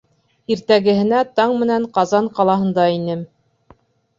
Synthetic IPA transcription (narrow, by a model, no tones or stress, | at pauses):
iɾt̪æɡɘ̆ɦɘ̆næt̪ɑɴmɘ̆næɴqɑzɑɴqɑlˠɑɦɤ̆nd̪ɑinɘm